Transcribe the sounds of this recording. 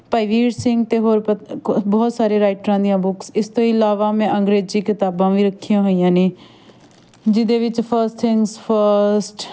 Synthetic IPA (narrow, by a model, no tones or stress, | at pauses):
paːɪʋiːɖsɪ̃ŋɡt̪eːɦoːɾpəbɔːt̪saːɾeːɾaːɪʈɾãːd̪ijãːbʊksɪst̪õːɪlaːʋaːmɛ̃ːʔə̃ŋɡɾeːd͡ʒiːkɪt̪aːbãːʋĩːɾəkʰːijãːɦoːijãːneː | d͡ʒɪd̪eːʋɪt͡ʃpʰəɾsʈt̪ʰɪŋɡspʰəɾsʈ